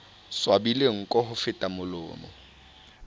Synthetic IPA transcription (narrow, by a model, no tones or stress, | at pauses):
swabileŋ̩kʼɔɦʊfɪtʼamʊlʊ̰ːmɔ̰